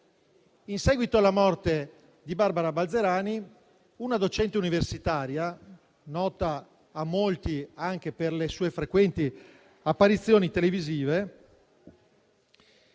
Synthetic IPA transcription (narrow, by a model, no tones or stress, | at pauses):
insɛːɡwit̪oalːamɔrt̪e | d̪ibarbaɾabald̪zeɾaːni | unad̪ot͡ʃɛnt̪euniversit̪aːɾja | nɔːt̪aː | mːolt̪iaŋk̟eperlesuːefɾekwɛnt̪i | apːaɾit̪sːjoːnit̪eleviziːve